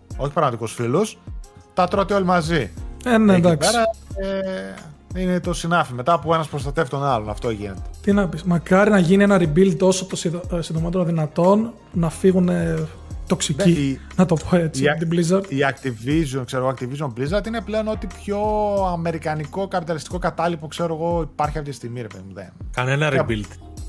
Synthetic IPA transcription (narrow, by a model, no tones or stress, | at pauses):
o̞çi̥pɾɐɣmɐt̪ikosfilost̪ɐt̪ɾot̪iolimɐzienend̪ɐkeɾɐe | inet̪osinɐfimet̪ɐːpoe̞nɐspɾost̪ɐt̪evit̪o̞nɐlonɐ̰ft̪o̞ʝḭne̞t̪e̥t̪inɐpismɐkɐɾinɐʝinienɐɾibilt̪o̞sot̪osisinðomot̪e̞ɾoðinɐt̪o̞nː | ɐfiɣune | t̪o̞ksici | nɐt̪o̞poe̞t͡siɐt̪iblizɐɾiɐk̚t̪ivizunkseɾo̞ɣoɐk̚t̪ivizomblizɐɾt̪ineple̞o̞no̞t̪ipço̞ɐme̞ɾikɐniko̞kɐpit̪ɐlist̪i̥ko̞kɐt̪ɐlipo̞kse̞ɾo̞ɣo̞ipɐɾçiɐft̪it̪ist̪iɣmiɾepeðimuðḛnkɐnenɐɾibilt̪